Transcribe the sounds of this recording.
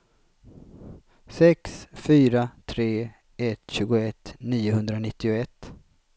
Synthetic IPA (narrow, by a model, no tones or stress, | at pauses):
sɛksfyːɾat̪ʰɾeː | ɛt̪ɕʉ̟ːɡʊɛt̪ːniːʊɦɵnd̪ɾanɪt̪ːɪʊɛt̪ː